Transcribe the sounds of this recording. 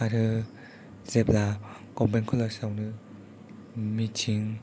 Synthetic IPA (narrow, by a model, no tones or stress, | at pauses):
aɾɯ | zep̚la | kɔmbankʰɔlasawnɯ | mit͡ʃʰiŋ